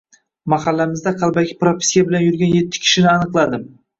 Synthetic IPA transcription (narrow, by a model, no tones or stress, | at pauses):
mahalːamɪzd̪aqʰɑlˠbakʲʰɪ̥pɾopʰʲi̥sijabɪlanjʊɾɡʲanje̞t̪ʰːɪ̥kʲʰɪ̥ʃɪnɪanɨqlˠad̪ɪm